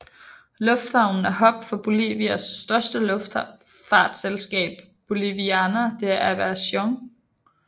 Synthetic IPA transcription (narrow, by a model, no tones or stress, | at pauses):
lɔ̽fd̥hɑ̈ʊ̰nn̩æɐɦɒ̽ɡ̥̚d̥fɒ̽b̥o̝lḭːʋiæsːd̥ɶɐsd̥əlɔfd̥ | fɑ̰̈ːd̥selsɡ̥ɛ̰ːb̥ːo̝liʋiænɐd̥e̝æʔæʋæɐsɒŋ